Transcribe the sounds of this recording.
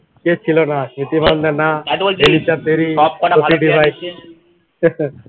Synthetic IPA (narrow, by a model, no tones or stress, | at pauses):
ket͡ʃʰilonasmit̪imand̪ɛnaenit͡ʃat̪eɾikoiɖibʱajs